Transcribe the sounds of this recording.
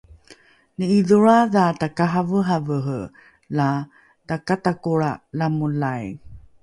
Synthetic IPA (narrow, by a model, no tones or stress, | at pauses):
nəiðuɾaðatakaɦavəɦavəɦə | la | takatakuɭalamulaj